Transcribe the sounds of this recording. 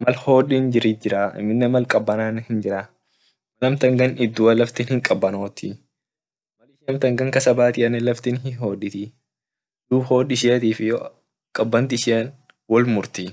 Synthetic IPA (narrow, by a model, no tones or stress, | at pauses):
mɐlho̞ːᶑiːnd͡ʒɪɾiːd͡ʒɪɾaːɪ̰mːɪnːɛmɐlkʼɐbːɐnaːnhɪnd͡ʒɪɾa | mɐlɐmt̪ɐŋɡɐnɪd̪ːuːɐlɐft̪inhɪŋkʼɐbːɐnoːt̪ɪ | mɐlɪʃɪɐmt̪ɐŋɡɐŋkɐsɐbaːt̪ɪʔɐnːɛlɐft̪inhɪɦo̞ːᶑɪt̪i | d̪uːbho̞ːᶑɪʃɪjɐt̪iːfɪj | kʼɐbːɐnt̪ɪɪʃɪjɐn | wɔlmʊɾt̪i